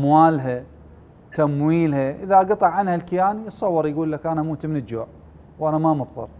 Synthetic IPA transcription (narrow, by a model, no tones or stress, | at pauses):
mwaːlɦa | t̪amwiːlhaʔɪðaɡɑt̪ˤɑʕanhalkɪjaːnisˤɑwːɑɾˤjɡuːlːakʔanamuːt̪mɪnɪd͡ʒoːʕ | wʔanamamɑt̪ˤːɑ̰ɾˤ